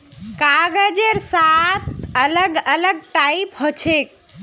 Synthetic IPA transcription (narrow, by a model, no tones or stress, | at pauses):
kaɡəd͡ʒeɾsat̪̚ʰələɡələɡ̚ʈaipɦot͡ʃʰek̚